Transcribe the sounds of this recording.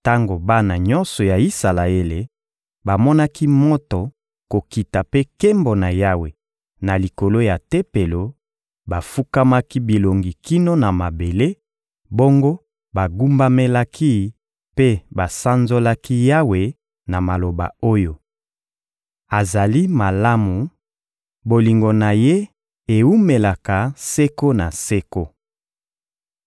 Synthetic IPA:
ta˦ŋɡo˨ba˦na˨ɲɔ˦nsɔ˨ja˨i˦sa˨la˨e˦le˨ | ba˨mɔ˦na˦ki˦mɔ˦tɔ˨ | ko˨ki˨ta˨pe˦ke˦mbo˨na˨ja˦we˨ | na˨li˨ko˨lo˦ja˨te˦pe˨lo˨ | ba˨fu˦ka˦ma˦ki˦bi˨lo˨ŋɡi˨ki˦no˦na˨ma˨be˨le˦ | bo˦ŋɡo˦ | ba˨ɡu˦mba˦me˦la˦kʰi˦ | pe˦ba˨sa˦nzo˦la˦ki˦ja˦we˨ | na˨ma˨lo˨ba̰˨o˦jo˦ | a˨za˨li˦ma˨la˦mu˨ | bo˨li˨ŋɡo˨na˨je˦ | e˨u˦me˨la˨ka˨sɛ˦ko˦na˨se˦ko˦

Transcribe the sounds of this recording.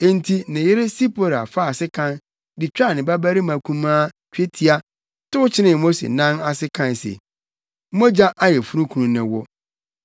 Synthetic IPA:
e˦n̩˦tʰi˦nɪ̃˨jɪ˦ɾɪ˦si˦pʰo˦ɾa̰˨fa˦˨sɪ˦kʰã˦n | dɪ˨t͡ɕᶣa˦˨nɪ̃˨ba˦bæ˦ɾi˦mã˨kʰũ˦mãː˦ | t͡ʃᶣe˦tʰi˦a˦ | tʊ˦ʊ˦t͡ɕʰɪ˦nɪ̃˨mo˦sḛ˨nã˦na˨sɪ˦kʰã˦nsḛ˨˦ | mo˦d͡ʑa˦ʔa˦jɛ˨fu˦ɾũ˦kʰu˨nũ˨nɪ̃˨wɔ˦

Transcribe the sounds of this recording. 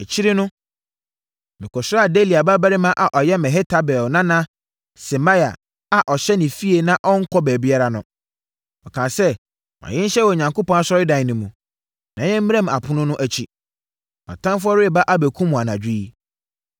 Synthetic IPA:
ɛ˨t͡ɕʰi˦ɾɪ˦nʊ̃˦ | mɪ̃˨kʰɔ˨sa˦a˨de˦˨li˨a˨ba˦bæ˦ɾɪ˦mã˦ʔa˨ʔɔ˨jɛ˦mɛ̃˨ɦɛ˦tʰa˦bɛ˨nã˦nã˦ | sɛ˨ma˦ja̰˨ | a˨ʔɔ˨ɕɛ˦nɪ̃˨fi˦e˨nã˦ʔɔ˦ŋ̩˦kʰɔ˦bæː˨bi˦a˦ɾa˨nʊ̃˨ | ɔ˨kʰã˨sɛ˦ | mã̰˨ɛ̃˦n̩˦ɕɛ˦wɔ˨ɲã˨ŋko˦pɔ̃˦na˦sɔ˦ɾɪ˦dã˨nʊ̃˨mũ˨ | nã˨ɲɛ̃˦m̩˦m˦ɛ̃˦˨m˨a̰˨pʰʊ˦nʊ̃˦nʊ̃˦ʔæ˨t͡ɕʰi˦ | mã̰˨tʰã˦mf̬ʊ˦ɔ˦ɾɪ˦ɛ˨ba˦ʔa˦bæ˨kʰũ˦mũ˨a˨nã˨d͡ʑᶣi˦i˦

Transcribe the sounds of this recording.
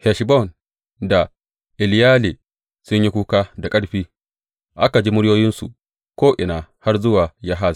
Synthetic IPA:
hɛ˨ʃbɔ˦˨n | da˨ | ʔɪ˨ljaː˦liː˨ | sʊ˦ɲji˦kʷuː˦kaː˦da˨kʼɐ˦ɽɸiː˦ | ʔa˦ka˨d͡ʒi˦mʊ˦ɽjoː˦jɪ˦nsṵ˨ | kʷoː˦ʔɪ˨naː˨ha˦rzʊ˦waː˨ja˦ɦaː˦˨z

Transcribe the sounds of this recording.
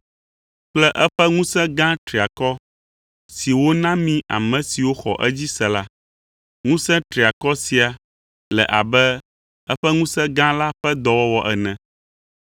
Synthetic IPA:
k͡plɛ˦ʔɛ˦ɸɛ˦ŋũ˦sɛ̃˦ɡã˦t̪ɾi˨a˨kɔ˦ | si˨wo˦nã˦mĩ˦a̰˨mɛ̃˨si˨wo˦xɔ̰˨ʔɛ˦d͡ʑi˦sɛ˨la˦ | ŋũ˦sɛ̃˦t̪ɾi˨a˨kɔ˦si˨a˨ | lɛ̰˨ʔa˨bɛ˦ | ɛ˦ɸɛ˦ŋũ˦sɛ̃˦ɡã˦la˦ɸɛ˦d̪ɔ˨wɔ˦wɔ˨ʔɛ˨nɛ̃˨

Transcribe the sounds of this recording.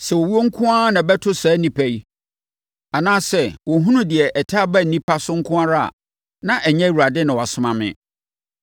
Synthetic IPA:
sɛ˨wɔ˨wu˦o˦ŋ̩˦kʰʊ̃˦a˦nã˨bɛ˦tʰʊ˦saː˨˦nĩ˦pʰæ˦i˦ | a˨nãː˦sɛ˦wɔ˨ɦũ˦nʊ̃˦dɪ˨ɛ˨ʔɛ˨tʰa˦bæ˦˨n̩˨nĩ˦pʰa˦sʊ˦ŋ̩˦kʰʊ̃˦a˦ɾa˦˨a̰˨ | nã˦ʔɛ˨ɲɛ̃˦˨wu˨ɾa˨dɪ˦nʊ̃˨wa˨sʊ̃˨˦mã˨mɪ̰̃˨

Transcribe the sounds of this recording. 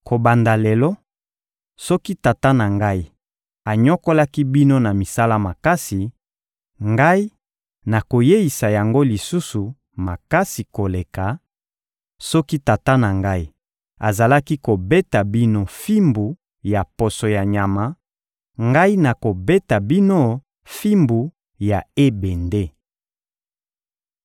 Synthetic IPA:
kʰo˨ba˨nda˨lɛ˨lɔ˦ | sɔ˦ki˦ta˨ta˦na˨ŋɡa˦i˦ | a˨ɲɔ˦ko˦la˦ki˦bi˦no˦na˨mi˨sa˦la˦ma˨ka˦si˨ | ŋɡa˦i˦ | na˨ko˨je˦i˨sa˨ja˨ŋɡo˦li˨su˦su˨ | ma˨ka˦si˨ko˨le˨ka˨ | sɔ˦ki˦ta˨ta˦na˨ŋɡa˦i˦ | a̰˨za˨la˦ki˦ko˨be˦ta˨bi˦no˦fi˦mbu˨ | ja˨po˨so˨ja˨ɲa˨ma˨ | ŋɡa˦i˦na˨ko˨be˦ta˨bi˦no˦ | fi˦mbu˨ | ja˨e˦be˨nde˦

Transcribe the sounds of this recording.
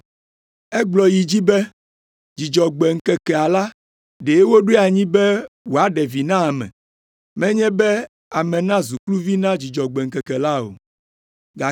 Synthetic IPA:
ɛ˦ɡ͡blɔ˨ji˨d͡ʑi˦bɛ˦ | d͡ʑi˨d͡ʒɔ˨ɡ͡bɛ˨ŋ̩˦kɛ˨kɛ˨a˨la˦ | ɖe˨˦wo˦ɖu˦a˨ɲĩ˦bɛ˦wo˨a˦ɖɛ˨vi˨nã˦a˨mɛ̰̃˨ | mɛ̃˦ɲɛ̃˦bɛ˦ | a˨mɛ̃˨nã˦zu˨klu˦vi˦nã˦d͡ʑi˨d͡ʒɔ˨ɡ͡bɛ˨ŋ̩˨kɛ˨kɛ˨la˦o̰˨ | ɡa˨

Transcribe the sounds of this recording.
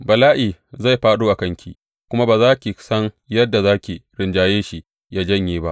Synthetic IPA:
bɐ˨laː˦ʔiː˨za˦˨jɸaː˦ɗoː˦ʔa˨kɐ˦ŋkʲḭː˨ | kʷʊ˦ma˦baː˨zaː˦kʲi˨sɐ˦ŋ | jɐ˦dːa˨zaː˦kʲeː˨ɽɪ˨nd͡ʒaː˨jeː˦ʃi˦ | jaː˦d͡ʒɐ˦ɲjeː˦ba˦ʔ

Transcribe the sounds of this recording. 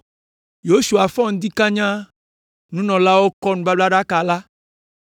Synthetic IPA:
jo˦su˨a˨fɔ̃˦ŋ̩̃˦d̪i˦kã˦ɲã˦ | nũ˦nɔ̃˨la˦wo˦kɔ˦nũ˦ba˦bla˦ɖa˦ka˨la˦

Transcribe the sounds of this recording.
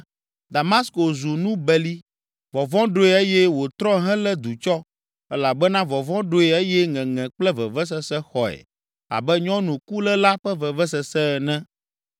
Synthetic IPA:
d̪a˨ma˦sko˨zu˨nũ˦bɛ˨li˦ | vɔ˨vɔ̃˦ɖo˦ɛ˨e˦jɛ˦wo˨t̪ɾɔ˦ɦɛ̃˦lɛ˦d̪u˨t͡ʃɔ˦ | ɛ˦la˨bɛ˦nã˦vɔ˨vɔ̃˦ɖo˦ɛ˨ɛ˦jɛ˦ŋɛ̃˨ŋɛ̃˨k͡plɛ˦vɛ˨vɛ˦s̬ɛ˦sɛ˦xɔ˨ɛ̰˨ | a̰˨bɛ˦ɲɔ̃˦nũ˨ku˦lɛ˦la˦ɸɛ˦vɛ˨vɛ˦sɛ˨sɛ˦˨nɛ̃˦

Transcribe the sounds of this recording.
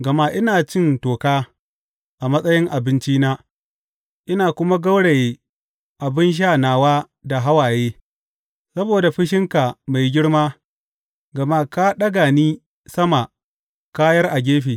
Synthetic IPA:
ɡɐ˨ma˦ʔɪ˦naː˨t͡ʃɪ˦˨ntoː˨kaː˦ | ʔa˨mɐ˦sʼɐ˦jɪ˦ŋʔa˨bɪ˦nt͡ʃiː˦naː˦ | ʔɪ˦naː˨kʷʊ˦ma˦ɡɐ˦wɽe˨jeː˦ | ʔa˨bɪ˦nʃ̬aː˦˨naː˨waː˦ | da˨ɦa˦waː˨jeː˦ | sɐ˦boː˨da˨ɸɪ˦ʃ̬ɪ˦ŋka˨ma˨jɡʲɪ˦ɽmaː˦ | ɡɐ˨ma˦ka˦ɗɐ˦ɡaː˨niː˦ | sɐ˦ma˨ | kaː˦jɐ˦rʔa˨ɡʲeː˦ɸeː˨

